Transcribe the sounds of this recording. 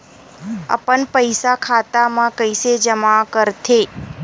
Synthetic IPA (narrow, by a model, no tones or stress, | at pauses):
ə̰pəɳpəjsakʰat̪amãkəjsed͡ʒəmakəɾt̪ʰe